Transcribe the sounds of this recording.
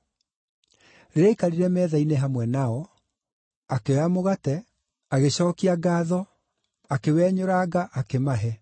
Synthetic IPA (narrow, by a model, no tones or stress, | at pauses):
ɾeekaɾiɾɛmɛːðaineɦamwɛnaɔ | akeamoɣatɛ | aɣeɕɔːkiaɡaːðɔ | akewɛːɲoɾaɡaʔakemaɦɛ